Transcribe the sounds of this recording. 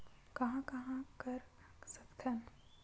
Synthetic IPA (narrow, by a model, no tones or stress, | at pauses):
kɐɦãkɐɦãkɐɾ | sɐkt̪ʰɐn